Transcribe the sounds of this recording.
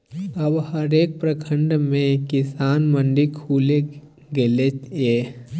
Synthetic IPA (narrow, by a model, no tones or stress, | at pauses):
əbhəɾeːk̚pɾəkʰə̃ɳɖmẽkɪsaːnmə̃ɳɖikʰuːle | ɡelejeː